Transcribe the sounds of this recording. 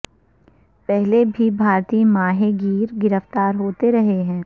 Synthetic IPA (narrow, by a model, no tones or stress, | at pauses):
pɛɦlebʱibʱaːɾt̪iːmaːɦeɡiːɾɡɪɾəft̪aːɾɦoːt̪eɾɐɦeɦɛ̃ː